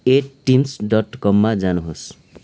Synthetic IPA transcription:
eʈːimsɖʌʈkʌmːad͡zanuɦos

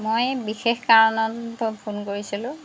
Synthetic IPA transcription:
mojbixexkaɹɔnɔttɔpʰunkoɹisilʊ̃

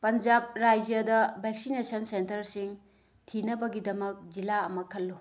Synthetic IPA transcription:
pɐnd͡ʒab̚ɾajd͡ʒɐdɐbʱɛk̚sinesɐnsentɐɾsiŋ | tʰinɐbɐɡidɐmɐk̚d͡ʒilaɐmɐkʰɐlːu

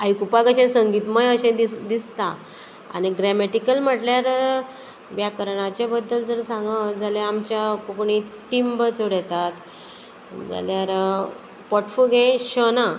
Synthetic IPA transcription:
ajkupaɡəɕẽsəŋɡiːt̪məjəɕẽd̪d̪ist̪a | a̰niɡɾɛmeʈikəlm̤əʈljaɾ | ʋjakəɾɳat͡ɕabəd̪ːəld͡zəɾsãŋɡəd͡zalaamt͡ɕakokɳit̪imbət͡soɽɛt̪at̪ | d͡za̰ljaɾ | pɔʈfulɡẽɕəna

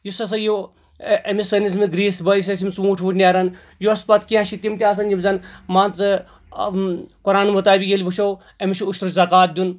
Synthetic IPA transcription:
jusɐs̬ɐjo | ɐmisɐnis̬miɡɾiːsbɐjis̬ɐsimʲt͡sũːʈʰʋuʈʰnʲaːɾɐn | juɐspɐt̪kiãʃit̪ʲimt̪ʲiaːs̬ɐnd͡ʒimzɐnmaːnt͡sɨ | kuɾaːnmɐt̪aːbʲiɡʲelʲʋuʃow | ɐmiʃiuʃt̪ɾut͡ʃzɐkaːt̪̚d̪ʲun

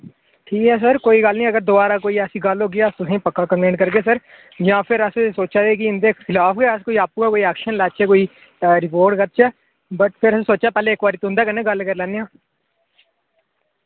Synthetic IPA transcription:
ʈʰiːkɦɛːs̬əɾkoːiːɡəlnĩːəɡəɾd̪ʊbaːɾaːkoːiːəsĩːɡəlɦoːɡɪaːst̪ʊsẽːpəkːaːkə̃mplẽːɳkəɾɡeːsəɾ | d͡ʒãːpʰɪɾəssoːt͡ʃaːeːkɪɪnd̪eːtɪlaːpʰɡeːəskoːiːaːpuːɛːkoːiɛːkʃənlaːt͡ʃɛːkoːiː | ɾɪpoːɾʈɡət̪̚t͡ʃɛː | bəʈpʰɪɾəsẽːsoːt͡ʃaːpɛːleːkbaːɾiːt̪oɦʊnd̪aːkənẽːɡəlkəɾlɛːnejãː

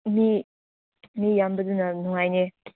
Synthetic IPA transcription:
mi | mijambɐdunɐnuŋajne

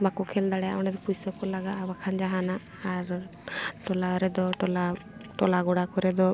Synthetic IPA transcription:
makɔkʰɛld̪aɽɛja̰ɔɳɛd̪ɔpujsəkɔlaɡaʔabakʰand͡ʒaɦanaː | ɾ | ʈɔlaɾɛd̪ɔʈɔlaʈɔlaɡɔɽakɔɾɛd̪ɔ

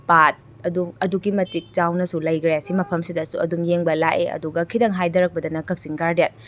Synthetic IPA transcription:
pat̚ | ɐdumɐduɡimɐtik̚t͡ʃawnɐsulɐjkʰɾejasimɐpʰɐmsidɐsuɐ̰dumjeŋbɐlaʔeɐ̰duɡɐkʰidɐŋɦajdɐɾɐk̚pɐdɐnɐkɐk̚siŋɡaɾdjat

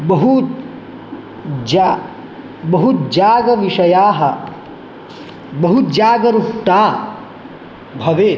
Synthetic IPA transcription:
bɐɦut̪ | d͡ʒa | bɐɦut̪d͡ʒaːɡɐʋiʂɐjaːɦɐ | bɐɦut̪̚d͡ʒaːɡɐɾukʈaː | bʱɐʋeː

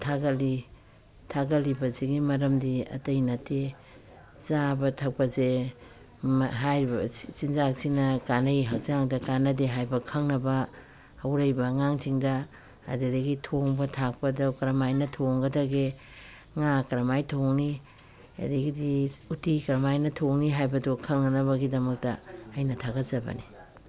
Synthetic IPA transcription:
tʰaɡɐli | tʰaɡɐlibɐzeɡimɐɾɐmdiɐ̰tɐjnɐte | zabɐtʰak̚pɐze | mɦajɾibɐsinzak̚siŋnɐkanɐjɦak̚zaŋdɐkanɐdeɦajbɐkʰɐŋnɐbɐ | hɐwɾɐjbɐŋaŋt͡ʃiŋdɐ̰ː | dedɐɡitʰoŋbɐtʰak̚pɐdɐwkɐɾɐmajnɐtʰoŋɡɐdɐɡe | ŋakɐɾɐmajtʰoŋni | ɐ̰diɡidiutikɐɾɐmajnɐtʰoŋniɦajbɐdukʰːɐŋnɐnɐβɐɡidɐmɐk̚tɐ̰ːjnɐtʰaɡɐtzɐbɐ̰ni

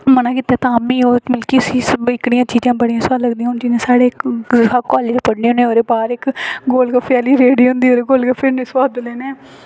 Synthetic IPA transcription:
mənãːkɪt̪ɛːt̪ãːmiːoːmɪlkiːʊsiːsɪkɽɪjãːt͡ʃiːd͡ʒãːbəɽiːãːsaːləɡd̪iːãːʊnt͡ʃiːẽːsaːɽeːakaːleːt̪epəɽnẽːneːoːɾeːpaːɾɪkɡoːlɡəpʰjaːliːɾeːɽiːɦʊ̃nd̪iːoːɾeɡoːlɡapʰenɪswaːd̪leːneː

